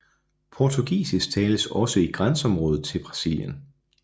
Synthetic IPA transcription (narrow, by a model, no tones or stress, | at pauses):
pʰɒt͡sʰuɡ̥ḭːsist͡sʰɛːləsɒ̽səiɡ̥ʁansɒ̽mʁɔ̽ːðð̩ˠt͡sʰe̝lb̥ʁɑ̈siljən